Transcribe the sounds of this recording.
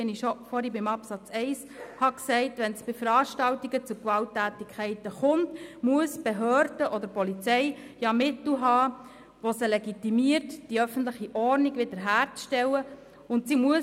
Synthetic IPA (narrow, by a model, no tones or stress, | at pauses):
ɛniʃɔfɔɾibɪmɑpsɑt͡sɛɪs | hɑksɛɪtʋɛnsb̥ɪfəɾɑːʃtɑltiɡət͡sʊkʋɑltːæːtikʰɛɪtəχʊntmuəsb̥eɦøːɾd̥əʔɔd̪əɾpɔlit͡sɛj | jɑmɪtl̩ɦɑː | ʋosəlɛɡitimiərtd̥iœfən̩tləχiʔɔrniɡʋɪd̥əɾɦæːɾt͡sʃtɛwə | ʊntsimuə